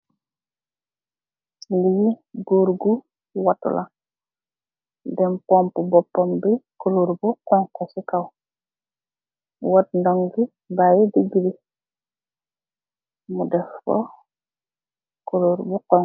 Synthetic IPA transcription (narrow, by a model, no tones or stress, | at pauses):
lijiɡuɾɡu | watṵlʔa | dɛmpɔmpubɔpːombikuluɾbukɔŋkɔsikaw | watndɔŋɡi | bajidiɡili | mudɛfɔ̰ | kuluɾbukɔŋ